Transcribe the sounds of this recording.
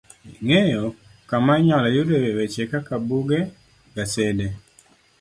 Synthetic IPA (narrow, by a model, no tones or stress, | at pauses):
ŋejo | kamaɲɔlajʊɾeɾewet͡ʃekakabuɡe | ɡasede